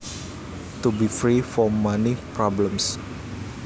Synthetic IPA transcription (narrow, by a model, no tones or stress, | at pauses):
t̪ubifɾifɔmːanipɾɔblə̃ms